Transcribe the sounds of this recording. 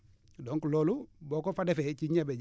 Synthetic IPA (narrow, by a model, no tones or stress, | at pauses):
dɔŋkulɔlubɔkɔfadɛfɛt͡ʃiɲɛbɛd͡ʒ